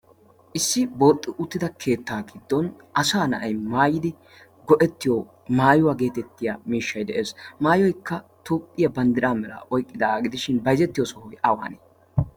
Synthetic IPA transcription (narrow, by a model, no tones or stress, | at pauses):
ʔɪsːɪboːt̪ʼːɪʔʊt̪ːɪd̪ɐkʰe̞ːt̪ːaːɡɪd̪ːɔn | ɐsaːnɐʔɐjmaːjɪd̪ɪ | ɡɔʔɛt̪ːɪjo | maːjʊwaːɡe̞ːt̪ɛt̪ːɪjaːmiːʃːɐjd̪ɛʔe̞ːsmaːjɔjkːɐt̪uːpʼːɪjɐbɐnd̪ɪɾaːmɛlɐ̰ʔɔjkʼːɪd̪ɐːɡɪd̪ɪʃɪnbɐjzɛt̪ːɪjosɔhɔjʔɐwa̰ːne